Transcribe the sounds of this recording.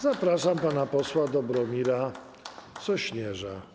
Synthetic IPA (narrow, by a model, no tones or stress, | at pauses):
zapɾaʂampanapɔswad̪ɔbɾɔmʲiɾa | t͡s̪ɔɕɲɛʐa